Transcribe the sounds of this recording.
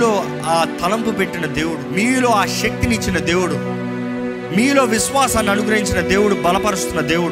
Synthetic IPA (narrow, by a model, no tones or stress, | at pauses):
lo̞ː | aːt̪ʰɐlɐmpupe̞ʈːinɐd̪e̞ːwuɽumiːlo̞ːaːʃɐk̚t̪init͡ʃːinɐd̪e̞ːwuɽu | miːlo̞ːʋiʃʋaːsɐːnɐnuɡɾɐɦiɲt͡ʃinɐd̪e̞ːwuɽubɐlɐpɐɾust̪unːɐd̪e̞ːwuɽu